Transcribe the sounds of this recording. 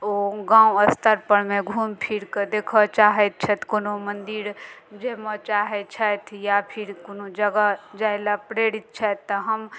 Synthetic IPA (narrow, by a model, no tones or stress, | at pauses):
oɡãũəst̪əɾpəɽmeɡʱumpʰiɾked̪ekʰɔt͡ʃaɦɛt̪̚t͡ʃʰət̪konomənd̪iɾd͡ʒeɦmet͡ʃaɦɛt̪̚t͡ʃʰət̪ʰjapʰiɾkonod͡ʒəɡad͡ʒajlapɾeɽit̪̚t͡ʃʰɛːəɦəm